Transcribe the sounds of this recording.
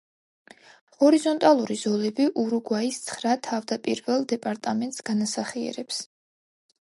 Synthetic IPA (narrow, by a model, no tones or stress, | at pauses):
hɔɾizɔnt̪ʼalˠuɾiz̥ɔlɛbiʔuɾuɡwaist̪sʰχɾat̪ʰavd̪apʼḭɾvɛlˠd̪ɛpʼaɾt̪ʼamɛnt̪ʼsɡ̥anasaχiɛ̰ɾɛps